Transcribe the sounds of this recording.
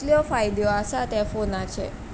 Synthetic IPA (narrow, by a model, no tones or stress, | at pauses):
liɔfajd̪joasat̪ɛfonat͡ʃʰḛ